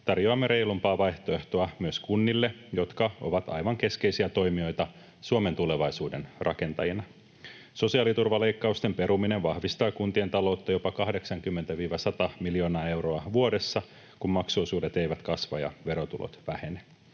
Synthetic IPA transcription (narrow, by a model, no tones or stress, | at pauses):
t̪ɑrjoɑmːe̞ɾe̞jlumpɑːʋɑjht̪oe̞ht̪o̞ɑmyøskunːilːe̞jo̞t̪kɑoʋɑt̪ɑ̰jʋɑŋke̞skejsiæt̪o̞jmio̞jt̪ɑ | suome̞nt̪ule̞ʋɑjsuːde̞nrʔɑ̰ke̞nt̪ɑjinɑ | so̞siɑlit̪urʋɑle̞jkːɑust̪e̞mpe̞ɾumineʋʋɑhʋist̪ɑːkunt̪ie̞nt̪ɑlo̞ut̪ːɑjo̞pɑkɑhde̞ksɑŋkymːent̪æʋiːʋɑsɑt̪ɑmiljo̞nɑːe̞wro̞ɑʋuode̞sːɑ | kumːmɑksoːsuːde̞t̪e̞jʋæt̪kɑsʋɑ̰jɑ̰ʋe̞ɾot̪ulo̰t̪ʋæhe̞ne